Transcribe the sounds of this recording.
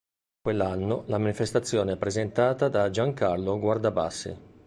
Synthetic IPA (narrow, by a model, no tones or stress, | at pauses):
kwelːanːolamanifest̪at̪sːjoːneɛpːɾezent̪aːt̪ad̪ad͡ʒaŋkarloɡward̪aba̰sːḛ